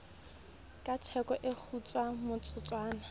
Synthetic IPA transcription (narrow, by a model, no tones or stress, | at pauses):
kʼatʰɛkʼɔʔek͡xʰut͡sʼwamʊt͡sʼʊt͡sʼwaːna